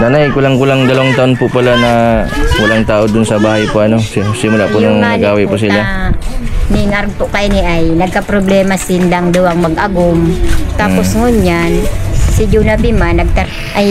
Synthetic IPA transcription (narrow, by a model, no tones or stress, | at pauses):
naːnajkʊlaŋkʊlaŋd̪ɐlɐwɐŋt̪ɐʔonpʊpɐlanɐwɐlaŋt̪aːʔod̪ʊnsɐbaːhajpoʔɐno̞ssɪmʊlaʔpʊnɐŋnɐɡaːwɛʔpʊsɪla | mɪŋaɾɡ̚pʊʔkɐnɪʔajnɐɡ̚kɐpɾoblɛːmɐsɪnlaŋd̪ʊwaŋmɐɡʔɐɡʊmt̪aːposŋʊɲansɪd͡ʒunɐpɪmanɐɡ̚t̪a | ʔaj